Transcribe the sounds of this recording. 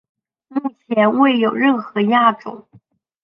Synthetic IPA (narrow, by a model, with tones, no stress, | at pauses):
mu˥˩t͡ɕʰjɛ˧˥nwe˥˩ɪjo˨˩ʊɻə˥˩nxɤ˧˥ja˥˧ʈ͡ʂʊ̰˨˩˦ŋ